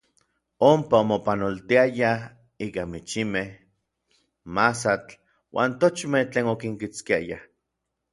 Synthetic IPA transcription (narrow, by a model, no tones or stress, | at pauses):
ompaomopanolt̪iaja | iːkamit͡ʃimeh | masat͡ɬ | wʔa̰ːnt̪ot͡ʃmeht͡ɬeːnokiŋkit͡skiaja̰